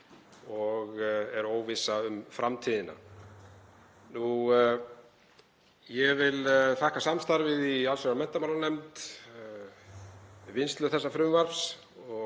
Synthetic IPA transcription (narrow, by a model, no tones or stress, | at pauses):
ɔɣɛɾoːwvɪsaʏmfɾamt̪ʰiːðɪna̰ | nu | jɛvɪlθahkasamst̪aɾvɪðialsœɾamɛn̥t̪amawlaɾnɛmt̪ | vɪnst̪lʏθɛsːafɾʏmvaɾs | ɔ